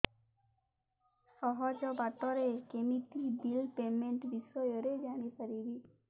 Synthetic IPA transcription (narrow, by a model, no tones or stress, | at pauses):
sɔɦɔd͡ʒɔbat̪ɔɾekemik̪ibilpemeɳʈbisɔjɔɾed͡ʒaɽ̃ipaɾibi